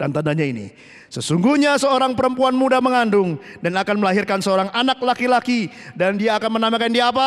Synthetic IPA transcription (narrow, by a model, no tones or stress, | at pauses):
dant̪andaɲainḭ | səsuŋɡuɲasəoɾaŋpəɾəmpuanmudaməŋandʊŋdanakanməlaɦirkansəoɾaŋanaklakilakidandiaːkanmənamakandiaːp̬a